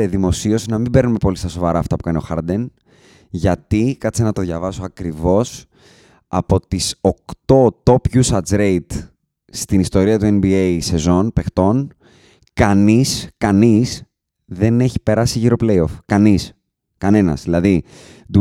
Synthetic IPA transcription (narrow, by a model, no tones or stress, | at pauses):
eðimo̞sio̞sinɐmimbe̞ɾnume̞po̞list̪ɐso̞vɐɾɐːft̪ɐpu̥kɐnio̞xɐ̰ɾd̪e̞n | ʝɐt̪ikɐt͡ssenɐt̪o̞ðʝɐvɐsoɐkɾivo̞s | ɐ̰po̞t̪iso̞kt̪o̞t̪o̞pʝusɐd͡zɾeit̪ | st̪inist̪o̞ɾiɐt̪ue̞nbiejse̞zo̞npe̞xt̪o̞n | kɐniskɐnis | ðe̞ne̞çi̥pe̞ɾɐsiʝiɾo̞ple̞jo̞fkɐnis | kɐne̞nɐ̰zðilɐðid̪u